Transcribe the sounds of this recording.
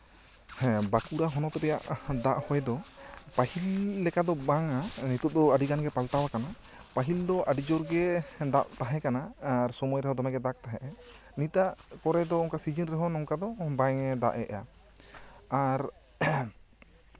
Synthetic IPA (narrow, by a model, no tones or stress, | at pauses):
bakuɾaɦɔnɔt̪ɔɾɛjaʔd̪aʔhɔjd̪ɔ | pahilːɛkad̪ɔbaŋanit̪ɔd̪ɔaɖiɡanɡɛpalt̪awakana | paɦild̪ɔʔaɖid͡ʒɔɾɡɛd̪aʔt̪aɦɛ̃kanaaɾsɔmɔjɾɛɦɔd̪ɔnaɡɛd̪ak̚t̪aɦɛʔɛ | nit̪aʔkɔɾɛd̪ɔɔŋkasid͡ʒənɾɛɦɔnɔŋkad̪ɔbaŋɛd̪a̰ʔɛ̰ʔa̰ | aɾ